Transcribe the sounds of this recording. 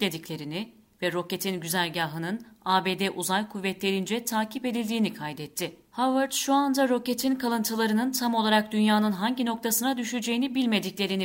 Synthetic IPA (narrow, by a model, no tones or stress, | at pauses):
lʲe̞d̪iclʲe̞ɾinɪ | vɛɾo̞ce̞t̪ʰinɟyzælʲɟaːɦɯnɯnaːbe̞ːd̪ɛʔuzajkʰuvːɛt̪lʲe̞ɾind͡ʒɛt̪ʰaːcʰipe̞d̪ilʲd̪iːnikʰajd̪ɛt̪ʰːɪhavaɾt̪ʃuand̪aɾo̞ce̞t̪ʰinkʰalˠɯnt̪ʰɯlˠaɾɯnɯnt̪ʰamo̞lˠaɾak̚d̪ynjaːnɯnɦaɲɟino̞k̚t̪ʰasɯnad̪yʃyd͡ʒe̞jinibilʲme̞d̪iclʲe̞ɾin